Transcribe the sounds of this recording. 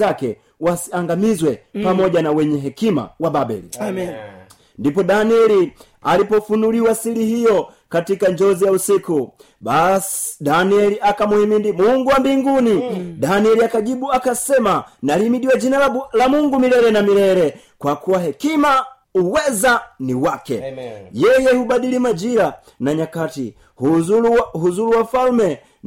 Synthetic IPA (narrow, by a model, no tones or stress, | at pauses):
akɛ | wasiaŋɡamizwɛpamɔɟanawɛɲɛɦɛkima̰wababɛ̰lḭ | ndipɔdaniɛli | alipɔfunuliwasilihijɔ | katikaɲd͡ʒɔzijausiku | basdaniɛliʔakamuhɛmindimuŋɡuwambiŋɡunidaniɛliakaʄiɓuakasɛmanalimiɗiwad͡ʒinalamuŋɡumilɛɾɛnamiɾɛɾɛ | kwakuwaɦɛkima | uwɛzaniwakɛ̰jɛjɛhubaɗilimad͡ʒiɾa | naɲakatḭ | huɦuzuluwafalmɛ